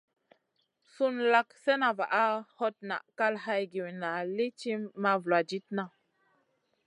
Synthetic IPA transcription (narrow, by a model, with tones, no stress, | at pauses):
su˦nla˦ksɛ˦na˨va̰˨ʔa˦ho˦t̚na̰˨ʔka˦lɦa˧jɡi˨wna˨li˦t͡ʃi˦mːa˧vlwa˨d͡ʒi˦t̚na˨